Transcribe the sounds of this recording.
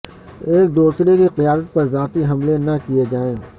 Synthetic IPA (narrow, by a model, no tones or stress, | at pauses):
eːk̚d̪uːsɾekiqijaːd̪ət̪̚pɐɾzaːt̪iɦɐmlenɐkijed͡ʒaːẽː